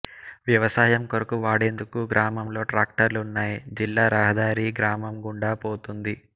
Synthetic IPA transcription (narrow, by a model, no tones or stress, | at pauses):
ʋjɐʋɐsaːjɐmkoɾɐkuʋaːɽe̞ːnd̪ukuɡɾaːmɐmlo̞ːʈɾaːk̚ʈɐɾlunːaːjid͡ʒilːaːɾaːɦɐd̪aːɾiːɡɾaːmɐmɡuɳɖaːpoːt̪und̪i